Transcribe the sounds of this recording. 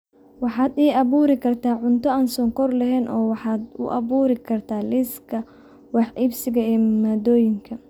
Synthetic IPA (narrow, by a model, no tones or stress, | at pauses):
wɑħɑːd̪iːɑβuːɾɪkʰɐrt̪ʰaːʕʊnt̪ʰɔaːnsɔːŋkɔrlɐɦɛːnʔɔːwɑħɑːd̪ʊ̰ʔɐ̰βuːɾɪkʰɐrt̪ʰaːlɪskʰɐ | wɑħʔɪbsɪɣɐɛːmaːd̪ɔːjɪŋkʰɐ